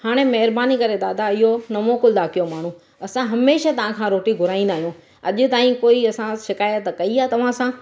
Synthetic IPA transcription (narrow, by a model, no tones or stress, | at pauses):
haːɽ̃emɐɦɪɾbaːnikɐɾed̪aːd̪aɪɦonɐmoːkʊld̪aːkijomaːɳ̤ũ | ɐsãɦɐmeːʃat̪ɐʋ̤ãkʰãɾoːʈiɡʱʊɾaːĩn̆d̪aːɦijũː | ɐ̰ʄʊ̆t̪aːĩkoːiɐsãʃɪkaːjət̪kɐiaːt̪ɐʋ̤ãsã